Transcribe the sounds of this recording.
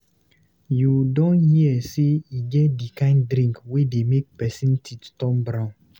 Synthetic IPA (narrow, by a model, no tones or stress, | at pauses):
judɔ̃nhiɛseiɡɛtdikãɪ̃ndɾĩŋkwedemek̚pɛsĩntʰittɔ̃mbɾãn